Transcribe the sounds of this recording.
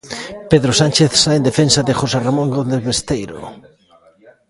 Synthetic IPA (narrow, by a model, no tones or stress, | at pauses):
peðɾosant͡ʃeθsaend̪efensaðexoseramõŋɡod̪ezβest̪ejɾo̰